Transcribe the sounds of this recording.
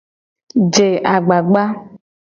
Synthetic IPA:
d͡ʒe˨ʔa˨ɡ͡ba˨ɡ͡ba˦

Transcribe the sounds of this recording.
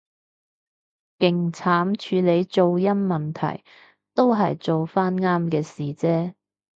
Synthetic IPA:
kɪ˨˩ŋt͡sʰaː˨˥mt͡ʃʰyː˨˧le˨˧jt͡so˨wjɐ˥nmɐ˨˩nt̪ʰɐ̰˨˩j | t̪o˥wɦɐ˨jt͡so˨wfaː˥nŋaː˥mkɛː˧siː˨t͡sɛː˥

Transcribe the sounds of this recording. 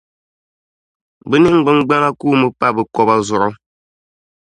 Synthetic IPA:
bɨ˦ni˦ŋ̩˦ɡ͡bɨ˦ŋ˦ɡ͡ba˦ŋa˦kuː˦mɨ˨pa˦˨bɨ˨kɔ˦ba˦zʊ˨ɾɔ˦

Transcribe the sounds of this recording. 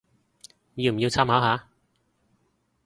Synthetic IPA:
jiː˨˧m̩˨˩ji˧wt͡sʰaː˥mhaː˨˥ɦaː˨˥

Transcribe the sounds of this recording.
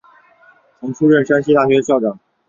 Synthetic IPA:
o˧˥ŋʈ͡ʂʰu˥ɻə˥˩nʂa˥nɕi˥t̪a˥˩ɕɥɛ˧˥ɕjɑ˥˩ʊʈ͡ʂɑ˨˩˦ŋ

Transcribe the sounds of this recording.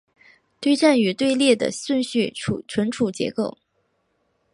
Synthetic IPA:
t̪we˥˧ɪʈ͡ʂa˥˩ny˨˧˥t̪we˥˧ɪljɛ˥˩d̪ə̰˩swə˥˧nɕy˥˩ṵ˨˩ʈ͡ʂʰwə˧˥nʈ͡ʂʰu˨˩t͡ɕjɛ̰˧˥ko˥˩ʊ

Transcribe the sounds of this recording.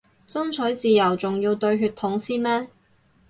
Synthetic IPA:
t͡sɵ˥ŋt͡sʰɵ˨˥jt͡siː˨jɐ˨˩wt͡sʊ˨ŋjiː˧wt̪ɵ˧ɥɦyː˧t̪ʰːʊ˨˥ŋsiː˥nmɛː˥

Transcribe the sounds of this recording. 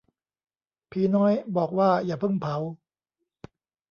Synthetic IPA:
pʰiː˨˦nɔː˦˥jbɔː˨˩k̚waː˥˩jaː˨˩pʰɤ˥˩ŋpʰa˩˦w

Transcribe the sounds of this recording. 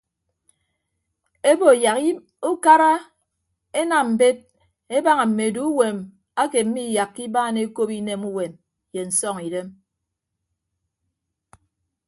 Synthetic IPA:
e˦bo˨ja˨k | u˦ka˦ɾa˦ | e˦na˨m̩˨be˦t̚ | e˦ba˦ŋa˨m̩˨me˨du˦u˦we˨m | a˦ke˨m̩˦mi˦˨ja˨kːi˦baː˦˨ne˦ko˦pi˦ne˦mu˦we˨n | je˨n̩˨sɔ˦ŋi˨de˦m

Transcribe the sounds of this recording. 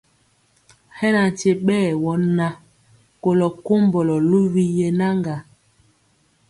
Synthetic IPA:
hɛ˦na˨n̩˨te˨ɓɛː˦˨wɔ˨˦na˦ | ko˨lɔ˨ko˦mbɔ˨lɔ˨lu˦vi˦je˨na˦ŋɡa˨

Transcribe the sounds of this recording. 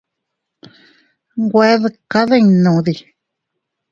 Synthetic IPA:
ŋɡʷe˦ðɨ˧ka˦ðe˦˧ɲ˧nũ˨ði˧

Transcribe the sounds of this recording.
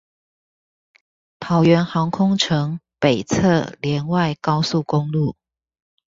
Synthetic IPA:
t̪ʰɑ˨˩ʊɥɛ˧˥nxɑ˧˦ŋkʰʊ˥ŋʈ͡ʂʰɤ˧˦ŋpe˨˩ɪt͡sʰɤ˥˨ljɛ˨˧˦nwa˥˨ɪkɑ˦ʊsu˥˨kʊ˦ŋlu˥˨

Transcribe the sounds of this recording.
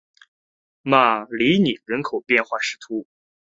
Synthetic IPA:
ma˥˩li˧˥ni˨˩ɻə˧˥nkʰo˨˩ʊpjɛ˥˧nxwa˥˩ʂɻ̩˧˥t̪ʰu˧˥

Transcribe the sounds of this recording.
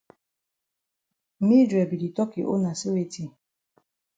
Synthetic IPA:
mi˦dɾɛ˨bi˨di˨tɔ˦ki˨ʔo̰˦na˨si˦we˨ti˨

